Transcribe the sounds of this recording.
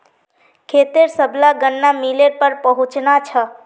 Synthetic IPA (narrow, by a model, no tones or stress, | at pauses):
kʰeːt̪eɾsəblaɡənːamileɾpəɾpəɦʊ̃t͡ʃnat͡ʃʰə